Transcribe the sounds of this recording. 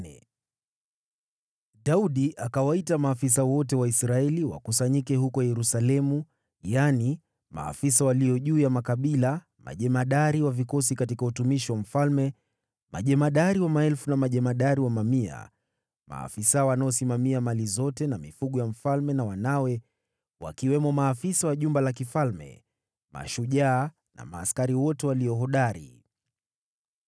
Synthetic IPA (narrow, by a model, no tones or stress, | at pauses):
ɗauɗiʔakawaitamaːfis̬awɔt̬ɛwaisɾaɛliwa̰kusaɲikɛɦukɔjɛɾusalɛmu | jani | ma̰ːfisawaliɔʄuːjamakaɓila | ma̰ʄɛmaɗaɾiwavikɔs̬ikatikautumiʃiwam̩falmɛ | ma̰ʄɛmaɗaɾiwamaɛlfunamaʄɛmaɗaɾiwamamia̰ | ma̰ːfisaɔwanaɔsimamiamalizɔtɛnamifuɠujam̩falmɛnawanawɛ | wa̰kiwɛmɔmaːfisawaʄumbalakifalmɛ̰ | ma̰ʃuʄaː | na̰maːskaɾiwɔtɛwaliɔɦɔɗaɾḭ